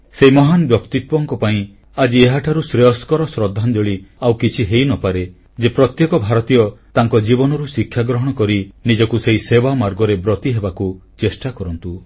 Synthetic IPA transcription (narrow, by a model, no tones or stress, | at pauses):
seimɔɦanɔbjɔkt̪it̪̚wɔŋkɔpaĩ | ad͡ʒieɦaʈʰaɾusɾeɔskɔɾɔsɾɔd̪ʱːand͡ʒɔɭiawkit͡ʃʰiɦejnɔpaɾe | d͡ʒepɾɔt̪jekɔbʱaɾɔt̪ijɔt̪aŋkɔd͡ʒibɔnɔɾusikʰːjaɡɾɔɦɔɽ̃ɔkɔɾinid͡ʒɔkuseisebamaɾɡɔɾebɾɔt̪iɦebakut͡ʃesʈakɔɾɔnt̪u